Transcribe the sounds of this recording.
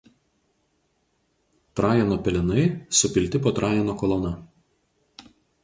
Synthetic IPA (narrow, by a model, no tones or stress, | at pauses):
t̪ɾɑːjɛnoːpʲɛlʲɪnɐɪsʊpʲɪlʲt̪ʲɪpoːt̪ɾɑːjɛnoːkɔlˠɔʊnɐ